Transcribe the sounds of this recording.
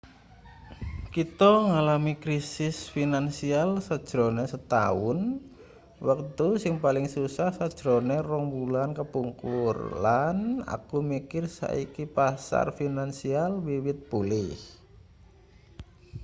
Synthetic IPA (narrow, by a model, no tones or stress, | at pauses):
kit̪ɔŋalamikɾisɪsfinansialsəd̥ʒ̥ɾonesət̪a̰ʊn | wəkt̪usɪŋpalɪŋsusahsad̥ʒ̥ɾonerɔŋbulankəpuŋkurlana̰kumikɪrsa̰ʔikipasa̰rfinansialwiwɪt̪̚pulɪh